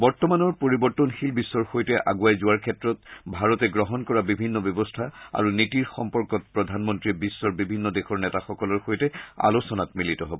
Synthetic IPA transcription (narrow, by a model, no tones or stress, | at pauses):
bɔɹtɔmanɔɹpoɹibɔɹtɔnxilbisːɔɹxojtɛʔa̰ɡuajzʊaɹkʰɛtɹɔtbʱaɹɔtɛɡɹɔɦɔnkɔɹabibʱinːɔbjɔbɔstʰaa̰ɹunitiɹxɔmpɔɹkɔt̚pɹɔdʱanmɔntɹibisːɔɹbibʱinːɔdexɔɹnɛtaxɔkɔlɔɹxojtɛa̰losɔnatmilitɔɦɔbɔ